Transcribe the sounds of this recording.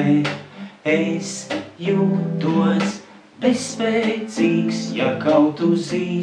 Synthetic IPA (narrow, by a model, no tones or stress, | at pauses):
ɛsjud̪uɔs | bɛspɛːt̪siːksjakawt̪uziː